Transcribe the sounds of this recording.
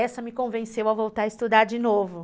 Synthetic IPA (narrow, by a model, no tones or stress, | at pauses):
ɛsɐmɪkõvẽsewavowt̪aɾɐɪst̪ud̪aɾd͡ʒinovʊ